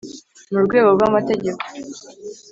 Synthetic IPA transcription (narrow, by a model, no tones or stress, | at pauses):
muɾɡwe̞ːɡobɡamate̞ɟe̞ko̥